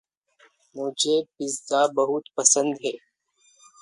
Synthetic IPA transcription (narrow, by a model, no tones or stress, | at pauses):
mʊd͡ʒʱepɪzd̪abəɦʊt̪pəsə̃nd̪ɦɛː